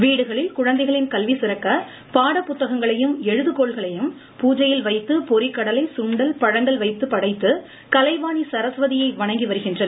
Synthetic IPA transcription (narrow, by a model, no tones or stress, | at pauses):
ʋiːɽɯɣɐɭɪlkʊɻɐnd̪ɐɪɣɐɭɪnkɐlʋisɪɾɐkːɐ | paːɽɐpːʊt̪ːɐɣɐŋɡɐɭɐjɯmɛɻɯðɯkːoːɭɣɐɭɐjɯm | puːd͡ʒɐjɪlʋɐɪt̪ːɯpɔɾɪkːɐɽɐlɐɪsʊɳɖɐlpɐɻɐɳɖɐlʋɐɪt̪ːɯpːɐɽɐɪt̪ːɯ | kɐlɐɪʋaːnisɐɾɐsʋɐðɪjɐɪʋɐɳɐŋɡiʋɐɾɯɣɪndrɐnɐ